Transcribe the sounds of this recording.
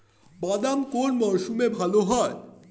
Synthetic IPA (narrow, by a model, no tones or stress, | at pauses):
bad̪amkonmɔʃumebʱaloɦɔe